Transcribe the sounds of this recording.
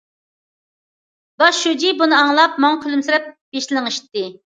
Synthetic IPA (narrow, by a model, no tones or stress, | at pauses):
bɑʃːud͡ʒibunɨɑŋlˠɑp̚mɑŋkʲʰylymsɪɾɛp̚b̥eʃlɪlɪŋeʃi̥t̪ːɪ